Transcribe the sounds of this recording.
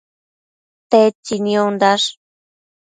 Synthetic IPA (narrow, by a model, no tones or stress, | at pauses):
t̪et͡ʃːiniond̪aʂ